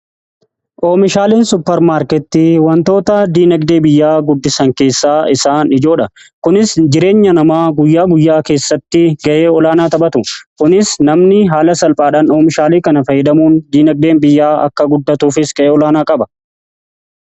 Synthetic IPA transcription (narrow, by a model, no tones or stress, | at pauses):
ʔoːmɪʃaːliːnsʊpːɛɾmaːɾkɛt̪ːiːwɐnt̪o̞ːt̪ɐd̪iːnɐɡd̪eːbɪjːaːɡʊd̪ːɪsɐŋke̞ːsːaːɪsaːnɪd͡ʒo̞ːᶑɐkʊnɪsd͡ʒɪɾe̞ːɲːɐnɐmaːɡʊjːaːɡʊjːaːke̞ːsːɐt̪ːɪɡɐʔe̞ːɔlaːnaːt̪ɐɓɐt̪ʊkʊnɪsnɐmnɪɦaːlɐsɐlpʼaːᶑaːnoːmɪʃaːliːkɐnɐfɐjːɛd̪ɐmuːnd̪iːnɐɡ̚d̪e̞ːnbɪjːaːʔɐ̰kːɐɡʊd̪ːɐt̪uːfɪsɡ̥ɐʔeːɔlaːnaːkʼɐbɐ